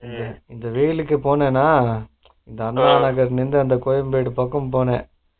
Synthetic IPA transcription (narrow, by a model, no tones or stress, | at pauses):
ɪnd̪ɐɪnd̪ɐʋiːlɯkːɯpoːnẽːnːaː | ɪnd̪ɐɐnːmaːnɐɣɐɾnɪnd̪ɯɐnd̪ɐkɔjɐmbeːɽɯpɐkːɐmpoːnḛ̃ː